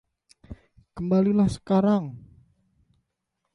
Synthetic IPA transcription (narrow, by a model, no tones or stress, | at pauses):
kəmbalilahsə̥kaɾaŋ